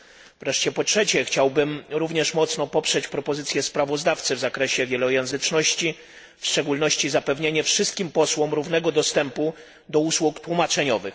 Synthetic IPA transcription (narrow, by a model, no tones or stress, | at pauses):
vɾɛʂt͡ɕɛpɔtʂɛt͡ɕɛxt͡ɕawbɘmɾuvɲɛʂmɔt̪sn̪ɔpɔpʂɛt͡ɕpɾɔpɔzɘt̪sʲjɛspɾavɔzd̪aft̪sɘvzakɾɛɕɛvʲjɛlɔjɛ̃ñzɘt͡ʂnɔɕt͡ɕi | fʂt͡ʂɛɡulnɔɕt͡ɕizapɛvɲeɲɛfʂɘst̪kʲimpɔswɔmɾuvnɛɡɔd̪ɔst̪ɛmpu | d̪ɔuswukt̪wumat͡ʂɛɲɔvɘx